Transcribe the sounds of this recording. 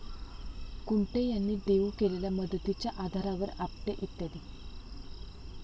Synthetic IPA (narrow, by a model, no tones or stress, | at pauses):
kuɳʈejanːiːd̪eʋukeleljaməd̪ət̪it͡ɕjaʔad̪ʱaɾaʋəɾap̚ʈeʔit̪ːad̪i